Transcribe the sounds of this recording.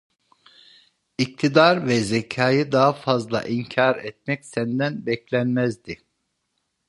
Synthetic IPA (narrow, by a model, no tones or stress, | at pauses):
ic̚t̪ʰid̪aɾvɛzɛcʰaːjɯd̪aɦafazlˠa̰ʔiɲcʰaɾɛt̪̚mɛcsænd̪ænbɛclʲænmæzd̪i